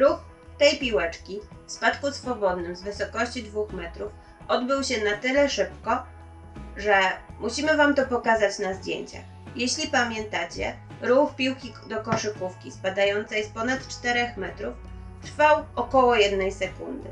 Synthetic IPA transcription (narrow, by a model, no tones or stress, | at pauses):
ɾux | t̪ɛjpʲiwɛt͡ʂkʲifspat̪kusfɔbɔd̪nɘmzvɘsɔkɔɕt͡ɕid̪vuxmɛt̪ɾuf | ʔɔd̪bɘwɕɛnat̪ɘlɛʂɘpkɔ | ʐɛmuɕimɘvamt̪ɔpɔkazat͡ɕnazd̪ʲjḛɲt͡ɕa̰x | jeɕlʲipamʲjɛnt̪at͡ɕɛ̰ | ɾuxpʲiwkʲi | d̪ɔkɔʂɘkufkʲispad̪ajɔnt̪sɛjspɔnat̪t͡ʂt̪ɛɾɛxmɛt̪ɾuf | t̪ɾfawɔkɔwɔjɛd̪nɛjsɛkund̪ɘ̰